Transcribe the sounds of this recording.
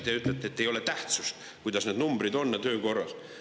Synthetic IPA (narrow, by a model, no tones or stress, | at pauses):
t̪eyt̪ːˑlet̪ːˑeet̪ːejo̞let̪æht̪sust̪ | kujd̪ɑsneːd̪numb̥ɾid̪o̞nːɑt̪ø̞ːko̞rːɑs